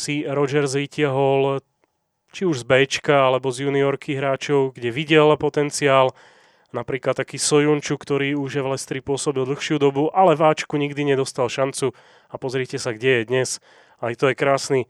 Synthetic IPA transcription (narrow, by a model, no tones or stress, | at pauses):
siɾɔd͡ʒɛɾzʋicɪaɦɔl | t͡ʃiuʒzbɛːt͡ʃkaalɛbɔzjuːniɔɾkʰiɦɾaːt͡ʃɔʊɡɟɛʋiɟɛlpɔt̪ɛnt͡siaːl | napɾiːklat̪ːakiːsɔjunt͡ʃukt̪ɔɾiːuʒjɛvlɛst̪ɾipʊɔsɔbilˠd̪l̩ˠxʃɪud̪ɔbuʔalɛvaːt͡ʃkuɲiɡd̪iɲɛd̪ɔst̪alʃant͡su | apɔzɾɪɛːcɛsaɡɟɛjɛd̪ɲɛs | ajt̪ɔjɛkɾaːsniː